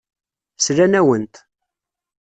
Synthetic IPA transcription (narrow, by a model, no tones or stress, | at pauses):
sɾænæwənt̪